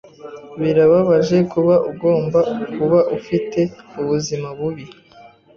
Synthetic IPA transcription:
βiɾaβaβaʒe̞kuβaʔuɡo̞ːmbakuβaʔufite̞uβuzimaβuβi

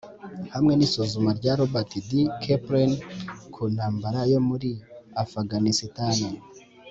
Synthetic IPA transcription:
hamŋe̞nisozumaɾɟaɾobatidikʰepɾenkʰunhaːmbaɾajo̞muɾiafaɡanisitana

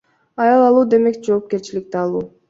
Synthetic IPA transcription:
ɑjɑlˠɑlˠuːd̪e̞me̞kd͡ʒo̞ːp̚ke̞ɾt͡ʃilik̚t̪eɑlˠuː

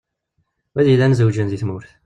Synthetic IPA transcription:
wæðilːænzəwd͡ʒənðiθmʊɾθ

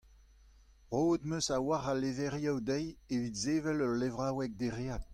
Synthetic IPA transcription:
ʁoːd̪møsawaʁalevɛʁjawd̪ɛjevit̪zeːvɛlœʁlevʁawɛk̚d̪eʁeːat̪̚

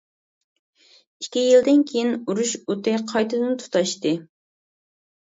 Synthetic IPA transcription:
ikʲijild̪ɪnkʲʰejinuɾuʃut̪ɪqʰɑjt̪ʰɨd̪ɨnt̪ʰu̥t̪ɑʃt̪ɨ

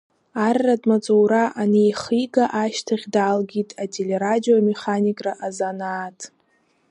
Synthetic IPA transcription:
arːadmat͡sʼowɾaʔanijχijɡaʔaʃtʰaχʲdaːlɡʲitʼatʼele̞ɾadijo̞me̞χanikʼraʔazanaːtʼ

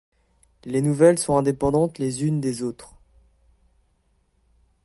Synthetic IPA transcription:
lenuvɛlsɔ̃ɛ̃d̪epɑ̃d̪ɑ̃t̪lezynd̪ezot̪χ

